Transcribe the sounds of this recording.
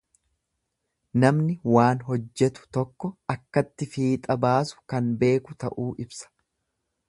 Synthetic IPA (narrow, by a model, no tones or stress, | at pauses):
nɐmnɪwaːnɦɔd͡ʒːɛt̪ʊ̥t̪ɔkːɔɐkːɐt̪ːɪfiːt̪ʼɐbaːsʊ̥kɐnbe̞ːkʊt̪ɐ̰ʔuːʔɪbsɐ̥